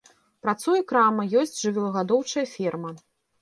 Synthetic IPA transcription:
pɾat̪sujɐkɾamɐjɔsʲt͡sʲʐɨvʲɛlˠɐɣad̪ɔwt͡ʂɐjɐfʲirmɐ

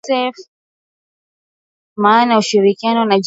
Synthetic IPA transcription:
sɛf | maːnauʃiɾikianɔnad͡ʒ

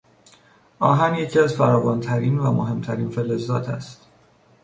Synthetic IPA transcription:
ʔɒːɦænje̞cʰiæzfæɾɒːvɒːnt̪ʰæɾiːnvæmoɦe̞mt̪ʰæɾiːnfelezɒːt̪ʰæ̰st̪

